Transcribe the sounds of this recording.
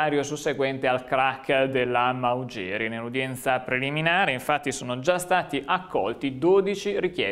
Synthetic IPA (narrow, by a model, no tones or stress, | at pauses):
aɾjosusːeɡwɛnt̪ealkɾakːd̪elːamaud͡ʒɛːɾjanelud̪jɛnt̪sapɾeliminaːɾeiɱfat̪ːisoːnod͡ʒast̪aːt̪iʔakːɔ̰lt̪id̪oːd̪it͡ʃiɾik̟jɛ